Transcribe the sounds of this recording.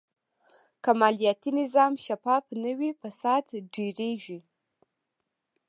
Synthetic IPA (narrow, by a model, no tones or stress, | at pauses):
kamɑlijat̪inɪzɑmʃapɑpnəwipasɑd̪ɖeɾeʒi